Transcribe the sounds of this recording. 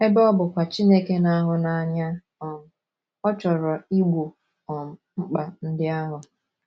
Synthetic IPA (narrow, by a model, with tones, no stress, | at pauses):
e˦bɔ˦bʊ˨kʷa˨t͡ʃi˦ne˦ke˦na˦ɦʊ˨na˨ɲa˦ | ɔ˨m̩˨ | ɔ˦t͡ʃɔ˨ɾɔ˨i˦ɡʷo˨ | ɔ˨m̩˨ŋ͡m̩˦k͡pa˨n̩˦dɪ˦a˦ɦʊ˨